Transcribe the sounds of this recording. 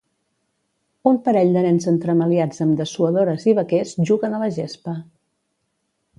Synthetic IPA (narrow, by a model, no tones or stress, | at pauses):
umpəɾɛʎd̪ənɛnzənt̪ɾəməliad͡zəmd̪əsuəðoɾəziβ̞əkesʒuɣənələʒespə